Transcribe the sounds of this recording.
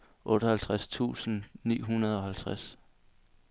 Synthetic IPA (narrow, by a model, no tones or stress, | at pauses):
ʔɔ̽ːɾ̥əhælt͡sʰʁast͡sʰṵːsn̩nḭːɦunɐð̞ˠɒ̽hælt͡sʰʁas